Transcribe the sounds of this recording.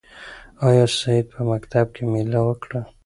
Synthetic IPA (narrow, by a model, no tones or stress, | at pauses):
ɑjɑsaid̪̚pəmakt̪ab̚kʰemelawəkɽa